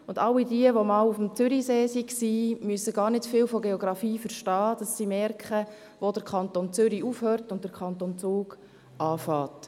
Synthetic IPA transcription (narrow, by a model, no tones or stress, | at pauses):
ʊndɑwidiəʋomɑːlufmt͡sʏɾiseːsiksiːmyəsəɡɑːɾnɪtfɪːlfoɡeɔɡɾɑfiːfəɾʃtɑːd̥ɑsːiːmɛɾkχə | ʋod̥əɾkʰɑntont͡sʏɾiufhøːɾtʊnt̚d̥əkʰɑntont͡suːɡ | ʔɑːfɑːt